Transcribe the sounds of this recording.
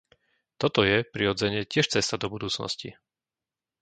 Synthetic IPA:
t̪ɔt̪ɔjɛpɾiɾɔd͡zɛɲɪɛcɪɛʃt͡sɛst̪ad̪ɔbud̪uːt͡snɔ̰sci

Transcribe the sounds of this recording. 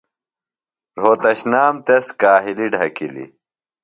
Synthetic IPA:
ɾ̤oːt̪ɐɕnaːmt̪eskaːɦiliɖʱɐkḭlḭ

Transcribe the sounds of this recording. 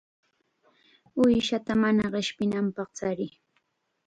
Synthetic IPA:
ʊjʃat̪amanaɢɪʃpɪnampɑχt͡saɾɪ

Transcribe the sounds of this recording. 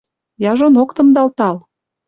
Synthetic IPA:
jɑʒonokt̪ə̆md̪ɑlt̪ɑl

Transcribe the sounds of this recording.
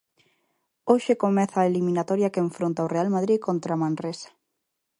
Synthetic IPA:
oʃekomɛθaːelimĩnat̪ɔɾjakeeɱfɾont̪aorealmað̞ɾikont̪ɾamãnresḁ

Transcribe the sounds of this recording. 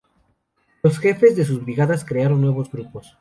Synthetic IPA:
lo̞sxe̞fe̞zðe̞s̬uzβɾiɣaðaskɾeaɾo̞nːwe̞βozɡɾupo̞s

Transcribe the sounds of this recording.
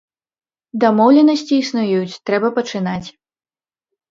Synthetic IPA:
d̪amɔwlʲɛnɐsʲt͡sʲiːsnujujut͡sʲt̪ɾɛbɐpɐt͡ʂɨnat͡sʲ

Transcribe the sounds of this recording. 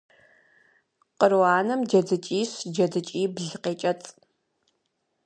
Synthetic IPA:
qərwaːnɐmd͡ʒɐd͡zɨt͡ʃʼiːɕd͡ʒɐd͡zɨt͡ʃʼiːbɮɨqeːt͡ʃʼɐt͡sʼ

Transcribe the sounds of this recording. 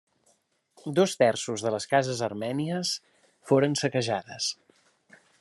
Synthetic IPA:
d̪ost̪ɛrsuzðələskazəzərmɛniəs | foɾənsəkəʒaðəs

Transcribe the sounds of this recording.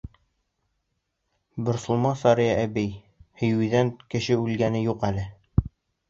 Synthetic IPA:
bɵ̆ɾsŭlˠmɑnsɑɾijɑʔæbij | hɵ̆jʉðænkɘ̆ɕɘʉlɡænɘjuqælɘ

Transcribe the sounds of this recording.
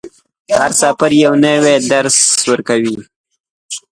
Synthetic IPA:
aɾsɑpaɾjawnəwed̪aɾswəɾkawi

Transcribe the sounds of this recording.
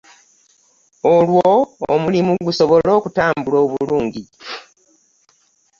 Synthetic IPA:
olwoːmulimuɡuso̞βo̞lo̞ːkutaːmbulo̞ːβuluːɲɟi

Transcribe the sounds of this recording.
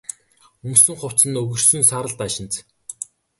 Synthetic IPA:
ɵmsɵ̆ŋχʊw̥t͡sɘ̆nɵɣɵ̆r̥sɵ̆nsaːɾə̆ɮt̪aʃɪ̆nt͡s

